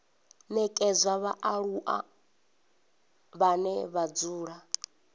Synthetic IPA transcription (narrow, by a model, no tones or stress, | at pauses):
nɛkʼɛzʷaβaʔaɺuʔa̰ | βanɛβad͡zuːɺa